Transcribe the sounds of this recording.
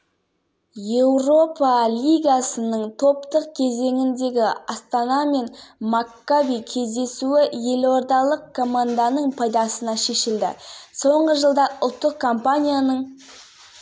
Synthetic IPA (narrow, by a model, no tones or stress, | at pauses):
je̞wɾo̞pɑlʲijɡasənəɴt̪ʰo̞pt̪əq̚kʲʰe̞ze̞ŋɪnd̪e̞ɡʲɪɑst̪ɑnɑme̞nmakːavikʲʰe̞zd̪e̞suɪje̞lo̞ɾd̪ɑlˠəq̚kʰːo̞mand̪anəɴpʰɑjd̪ɑsənɑʃe̞ʃɪld̪ɪ̰so̞ɴʁəʒəlˠd̪ɑʔʊlˠt̪ːəq̚kʰompanʲijanəɴ